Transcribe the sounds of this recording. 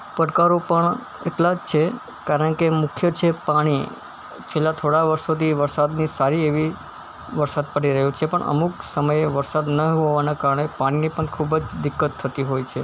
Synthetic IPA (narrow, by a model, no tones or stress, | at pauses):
pəʈkaɾopəɳ | ḛʈlad͡ʒt͡ʃʰe | kaɾəɳkemʊkʰjət͡ʃʰepaɽ̃i | t͡ʃʰelːat̪ʰoɽaʋəɾʃot̪ʰiʋəɾsad̪nisaɾieʋi | ʋəɾsad̪̚pəɽiɾəɦũt͡ʃʰepəɳʔə̰muksəməjeʋəɾsad̪nəɦoʋanakaɾəɳepaɽ̃inipəɳkʰubd͡ʒd̪ɪkːət̪ʰːət̪iɦojt͡ʃʰe